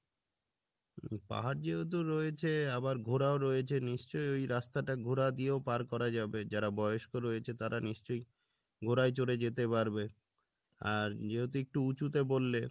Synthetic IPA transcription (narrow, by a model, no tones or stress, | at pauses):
pa̰ɦaɾd͡ʑeɦot̪̬oɾɔet͡ɕʰeabaɾɡʱoɾaoɾɔjet͡ɕʰeniʃt͡ɕojojɾast̪aʈaɡʱuɾad̪ijeopaɾkɔɾad͡ʑabed͡ʑaɾabɔjoʃkoɾɔjet͡ɕʰet̪aɾʔaniʃt͡ɕoj | ɡʱoɾajt͡ɕoɾed͡ʑet̪epaɾbe | aɾd͡ʑeɦot̪̬oek̚ʈuut͡ɕut̪ebolːe